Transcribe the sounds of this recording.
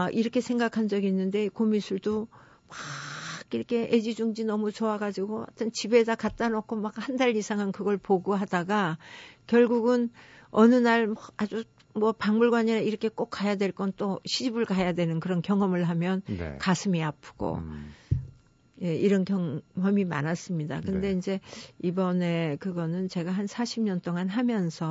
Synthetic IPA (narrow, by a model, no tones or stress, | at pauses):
ʔiɾʌkʰe̞sʰe̞ŋɡakʰand͡ʑʌɡiːnːɯnde̞komisʰuɭdo | waɡiɾʌkʰe̞ʔed͡ʑid͡ʑuŋd͡ʑinʌmut͡ɕoaɡad͡ʑiɡoa̰tʰɯnt͡ɕibe̞dakat̚t͈anokʰomakhandaʎːisʰaŋɯnkɯɡʌɭpoɡuɦadaɡakjʌɭɡuɡɯnʌnɯnaɭmʌad͡ʑu | mwʌpaŋmuɭɡwaɲiɾaiɾʌkʰe̞k͈ok͈̚ʰːajadwe̞ɭk͈ʌnt͈oɕʰid͡ʑibɯɭkajadwe̞nɯnkɯɾʌnkjʌŋɦʌmɯɭɦamjʌnkasʰɯmiapʰɯ̥ɡ̥o̰ | je̞iɾʌnkjʌŋɦʌmima̰nas͈ɯmɲida̰kɯnde̞ind͡ʑe̞ibʌne̞kɯɡʌnɯnt͡ɕe̞ɡaɦansʰaɕʰimɲʌnt͈oŋanɦamjʌnsʰʌ